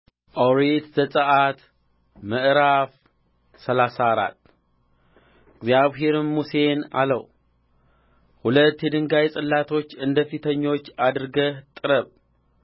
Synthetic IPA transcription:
ʔoɾet̪zəsʼəʔat̪ | məʔɾaf | səlasaɾa̰t̪ː | ɡzjaβɦe̞ɾnmuse̞na̰ləw | hulət̪ːjɛd̪ɨŋɡajsʼɨlːat̪ʰo̞t͡ʃːɨnd̪əfit̪ʰəɲːo̞t͡ʃːad̪ɨɾɡəht̪ʼɨɾəβ

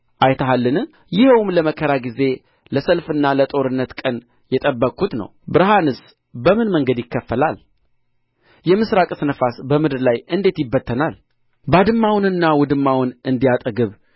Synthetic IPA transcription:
ʔajt̪ʰəɦalːɨnɨ | jɪhwmləməkʰəɾaɡize̞ | ləsəlfɨnːalət̪ʼo̞ɾɨnːət̪kʼən | jɛt̪ʼəbːəkʼːut̪nə̰wbɨɾɦanɨs | bəmɨnməŋɡəd̪jɪkːəfːəlal | jɛmɨsɾakʼɨsnəfasbəmɨd̪ɨɾlajɨnd̪e̞t̪jɪbːət̪ʰːənal | bad̪ɨmːawnɨnːawʊd̪ɨmːawnɨnd̪ijat̪ʼəɡɨβ

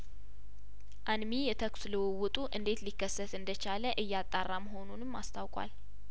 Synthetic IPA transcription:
ʔanmijɛt̪ʰəksuləwəwʊt̪ʼuʔɨnd̪e̞t̪likːəsːət̪ɨnd̪ət͡ʃaləʔɨjːat̪ʼːarːaməɦo̞nunɨmːa̰st̪ʰawkʼwa̰l

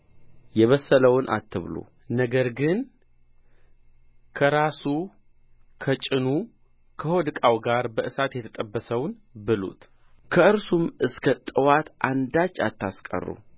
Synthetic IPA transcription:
jɛβəsːələwʊnʔa̰t̪ʰːɨβlo̰ | nəɡəɾɡɨn | kʰəɾasu | kʰət͡ʃʼɪnu | kʰəhod̪ɨkʼawɡaɾbəʔɨsat̪jɛt̪ʰət̪ʼəbːəsəwn | bɨlṵt̪ | kʰəɨɾsumɨskʰət̪ʼɨwat̪ʔand̪at͡ʃːat̪ʰːaskʼə̰rːṵ

